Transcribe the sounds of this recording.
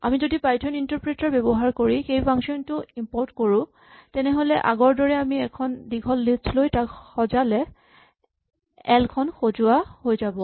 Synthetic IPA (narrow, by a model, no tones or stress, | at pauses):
a̰mizodipajtʰɔnintɔɹpɹetaɹbɛbɔɦaɹkoɹixejpʰaŋsɔntʊimpɔɹtkoɹʊ̃ | tɛnɛɦolɛʔa̰ɡɔɹdɔɹɛamiɛkʰɔndiɡʱɔlːistlojtakxɔzalɛ | ɛlkʰɔnxozʊwahojzabɔ